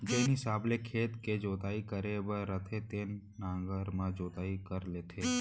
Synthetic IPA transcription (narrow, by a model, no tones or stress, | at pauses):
d͡ʒenɦɪsaːblekʰeːt̪ked͡ʒoːt̪aːikəɾebəɾət̪ʰet̪eːnːãːŋɡəɾmãd͡ʒoːt̪aːikəɾleːt̪ʰeː